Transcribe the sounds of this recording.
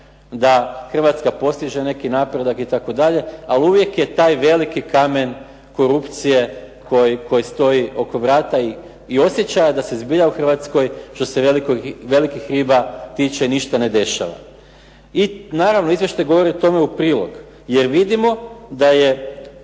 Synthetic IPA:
d̪axr̩ʋat̪skapo̞st̪iʒene̞kinapɾed̪akit̪ako̞d̪aʎe̞aliuʋje̞kje̞t̪aːjʋe̞likikame̞n | ko̞ɾupt̪sije̞ | kojiko̞jist̪o̞iʔo̞ko̞ʋɾaːt̪aiː | o̞sjet͡ɕajed̪asezbiʎauxr̩ʋat̪sko̞jʃt̪o̞se̞ʋelikoʋe̞likixɾiːbat̪it͡ʃeiniʃt̪ane̞d̪e̞ʃa̰ʋa̰ | inaːɾaʋnoizʋjeʃt̪ajɡo̞ʋo̞ɾiot̪o̞me̞upɾiːlˠo̞̰ɡ | jeɾʋid̪imo̞d̪aje̞

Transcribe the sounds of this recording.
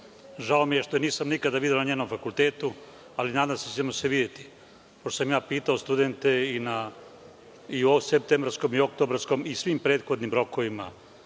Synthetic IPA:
ʒaomije̞ʃt̪oeniːsamnikad̪aʋid̪jelnaɲeːno̞mfakult̪e̞ːt̪u | alinaːd̪amset͡ʃemoseʋid̪jet̪i̥ | poʃt̪os̬amjaːpiːt̪aost̪ud̪e̞nt̪e̞ina | iosep̚t̪embɾsko̞mio̞k̚t̪o̞bɾasko̞misʋimpɾeːd̪xo̞d̪nimɾo̞ko̞ʋima

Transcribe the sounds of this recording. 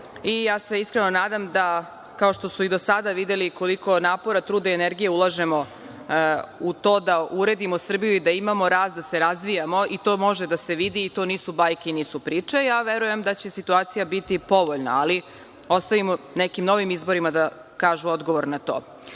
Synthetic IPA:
ijaːse̞iskɾenonaːd̪amd̪a | kao̞ʃt̪o̞suid̪o̞sad̪aʋid̪e̞liko̞liko̞naːpo̞ɾat̪ɾuːd̪eeneɾɡije̞ulˠaʒe̞mo̞ | ut̪o̞ːd̪auɾe̞d̪imosr̩bijuid̪aimamo̞ɾaːst̪d̪ase̞ɾazʋijamo̞it̪oːmo̞ʒed̪ase̞ʋid̪iːt̪o̞niːsubajkeniːsupɾiːt͡ʂajaʋe̞ɾuje̞md̪at͡ɕe̞sit̪uaːt̪sijabit̪ipo̞ʋoʎna̰ali | o̞st̪aʋimonekimno̞ʋimizbo̞ɾimad̪a | kaːʒuo̞d̪ɡo̞ʋo̞ɾnat̪oː

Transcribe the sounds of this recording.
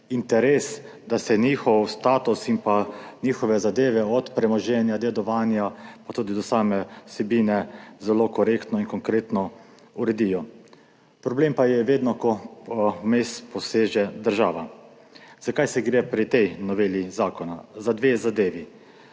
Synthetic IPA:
int̪ɛɾeːs | d̪asɛniːxɔwst̪aːt̪usimpaniːxɔʋɛzad̪eːʋɛɔt̪pɾɛmɔʒɛnjad̪ɛd̪ɔʋaːnjapat̪uːd̪id̪ɔsaːmɛsɛbiːnɛzɛlokɔɾeːkt̪nɔinkɔŋkɾeːt̪nɔ | uɾɛd̪iːjɔ | pɾɔbleːmpajɛʋeːd̪nɔkɔ | meːspɔseːʒɛd̪əɾʒaːʋa | zakajsɛɡɾeːpɾit̪ɛjnɔʋeːlizaːkɔnazad̪ʋeːzad̪eːʋi

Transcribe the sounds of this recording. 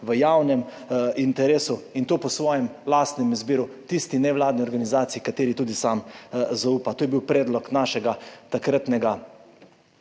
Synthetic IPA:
ʋəjawnɛm | int̪ɛɾeːsuint̪oːpɔsʋɔːjɛmlaːst̪nɛmizbiːɾut̪ist̪inɛʋlaːd̪niɔɾɡanizaːt̪sijikat̪eːɾit̪uːd̪isaːmzauːpat̪oːjɛbiwpɾɛːd̪lɔknaːʃɛɡat̪akɾat̪nɛɡa

